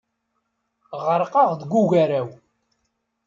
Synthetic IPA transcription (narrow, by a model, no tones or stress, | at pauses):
ʁəɾˤqɑʁðəɡʷːuʝæɾæw